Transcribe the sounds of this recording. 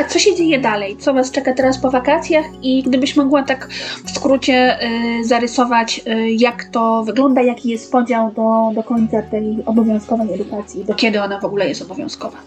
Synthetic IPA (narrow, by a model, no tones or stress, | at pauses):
t̪sɔɕɛd͡ʑejɛd̪alɛjt̪sɔvast͡ʂɛkat̪ɛɾaspɔvakat̪sʲjaxiɡd̪ɘbɘɕmɔɡwat̪akfskɾut͡ɕɛzaɾɛsɔvat͡ɕjakt̪ɔvɘɡlɔnd̪ajakʲijɛst̪̚pɔd͡ʑawd̪ɔd̪ɔkɔɲt̪sat̪ɛjɔbɔvʲjɔ̃w̃skɔvɛjɛd̪ukat̪sʲjid̪ɔkʲɛd̪ɘɔnavɔɡulɛjɛ̰st̪ɔbɔvʲjɔ̰̃w̃skɔva